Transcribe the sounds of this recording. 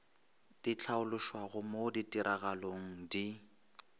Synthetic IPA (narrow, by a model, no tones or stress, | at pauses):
d̥it͡ɬʰaʊlʊʃwaɣʊmoditʼiɾʔaɣaloŋ̩di